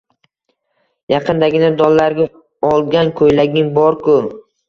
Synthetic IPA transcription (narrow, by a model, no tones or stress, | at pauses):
jɑqʰɨnd̪aɡʲɪnad̪ɒlˠːaɾɡʲa | ɒlˠɡʲankʰojlaɡʲɪŋbɒɾkʰʊ